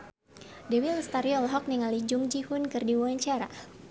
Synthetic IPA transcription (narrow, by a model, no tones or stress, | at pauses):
dɛwilst̪aɾiɔlɦɔk̚niŋalid͡ʒʊŋd͡ʒihʊnkɨrdiwuaɲt͡ʃaɾa̰